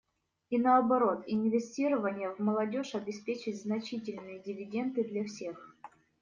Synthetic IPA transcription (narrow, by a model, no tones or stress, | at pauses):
inəɐbɐɾo̞t̪ɪnʲvʲɪsʲtʲiɾəvənʲɪjəvməlˠɐdʲo̞ʂɐbʲɪspʲet͡ɕɪtʲznɐt͡ɕitʲɪlʲnɨjədʲɪvʲɪdʲe̞nd̪ɨd̪lʲɐfsʲe̞x